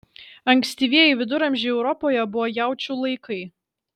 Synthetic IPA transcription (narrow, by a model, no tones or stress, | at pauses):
ɐŋʲksʲt̪ʲiːʋʲiɛjɛɪʋʲɪd̪ʊɾɐmʲʒʲɪɛʊɾɔpoːjɛbʊʋojæˑʊt͡ʃʲulˠɐɪkʰɐɪ